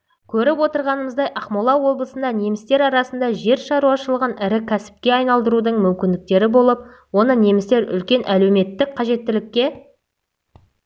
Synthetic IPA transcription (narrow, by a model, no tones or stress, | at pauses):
kʲʰɵɾɪpwo̞t̪əɾʁɑnəməzd̪ɑjʔɑχmolˠɑwo̞blˠəsənd̪ɑne̞mɪst̪e̞ɾɑɾɑsənd̪ɑʒe̞ɾʃɑɾuwɑʃəlˠəʁənɪɾɪkʲʰæsɪ̥p̚kʲe̞ɑjnɑlˠd̪əɾud̪əɴmʏmkʲɪnd̪ɪk̚t̪e̞ɾɪbo̞lˠəp̚ | wo̞nəne̞mɪst̪e̞ɾʏ̰lkʲe̞nʔæle̞wme̞t̪ːɪk̚qʰɑʒe̞t̪ːɪlɪkʲːe̞